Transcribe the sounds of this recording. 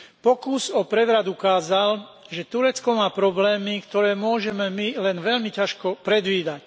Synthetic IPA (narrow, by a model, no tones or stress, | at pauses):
pɔkuzɔpɾɛʋɾad̪ukaːzal | ʒɛt̪uɾɛt͡skɔmaːpɾɔblɛːmikt̪ɔɾɛːmʊɔʒɛmɛmilɛnʋɛlmicaʃkɔpɾɛd̪ʋiːd̪ac